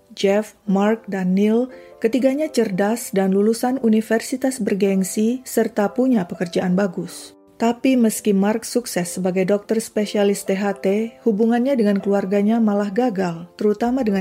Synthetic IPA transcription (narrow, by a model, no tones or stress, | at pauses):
d͡ʒɛfmark̚danːil | kət̪iɡaɲat͡ʃərdasdanlulusanunifɛrsit̪asbərɡɛŋsisərt̪apuɲapəkərd͡ʒaʔanbaɡʊs | t̪apiməskimark̚suksɛsːəbaɡajdɔk̚t̪ərspesialist̪eɦat̪ehubuŋanɲadəŋankəluarɡaɲamalahɡaɡalt̪əɾut̪amadəŋa